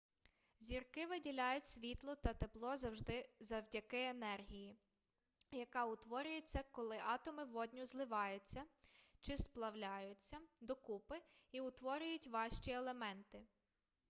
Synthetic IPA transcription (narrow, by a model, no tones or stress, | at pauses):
zʲirkɪʋɪdʲilʲajʊtʲsʲʋʲit̪lˠɔt̪ɐt̪eplˠɔzɐwʒd̪ɪzɐwdʲɐkɪenɛrɦʲiji | jɐkɑʊt̪ʋɔɾʲʊjʊt͡sʲːɐkɔlˠɪʔɑt̪ɔmɪʋɔdʲnʲʊzlˠɪʋɑjʊt͡sʲːɐt͡ʃɪsplˠɐwlʲɑjʊt͡sʲːɐd̪ɔkupɪiʊt̪ʋɔɾʲʊjʊtʲʋɑʃt͡ʃielˠemɛnt̪ɪ